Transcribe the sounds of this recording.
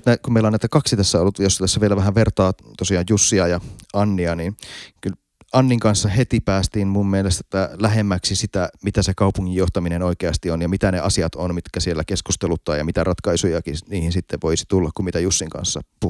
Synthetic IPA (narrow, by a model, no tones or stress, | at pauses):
t̪nækummeilɑnæit̪ækɑksit̪æsːæolːut̪jost̪æsːæʋielæʋæɦæʋert̪ɑːt̪osiɑːjjusːiɑjɑɑnːiɑninkyl | ɑnːiŋkɑnsːɑhet̪ipæːst̪inmumːielest̪e̥t̪ːælæɦemːæksisit̪æmit̪æsekɑupuŋːijjoht̪ɑminenoikeɑst̪ionjɑmit̪æneʔɑsiɑt̪onmit̪kæsielːækeskust̪elut̪ːɑ̰jɑ̰mit̪ærɑt̪kɑisujɑkiniːhinsit̪ːeʋʋoisi̥t̪ulːɑkkummit̪æjusːiŋkɑ̰nsːɑ̰pu